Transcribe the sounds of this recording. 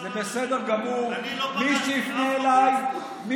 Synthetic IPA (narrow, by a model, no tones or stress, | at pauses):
zebesed̪eʁɡamuʁ | miʃɛixneːlaj | mi